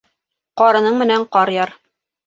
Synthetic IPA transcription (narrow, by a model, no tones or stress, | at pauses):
qɑɾɤ̆nɤɴmɘ̆næɴqɒɾjɑɾ